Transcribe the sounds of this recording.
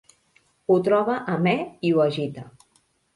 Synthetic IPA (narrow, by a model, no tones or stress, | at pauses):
ut̪ɾɔβəʔːmɛiuəʒit̪ə